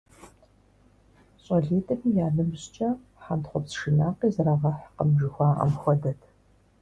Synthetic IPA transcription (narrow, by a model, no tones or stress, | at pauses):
ɕʼɐɮeːtʼɐmiːjaːɮɨmʑt͡ʃʼɐ | ħantχʷɔpsʃɨnaːqiːzɐɾaːʁɐħqəmʒɪxʷɑːʔɐ̰mxʷɔdɐtʰ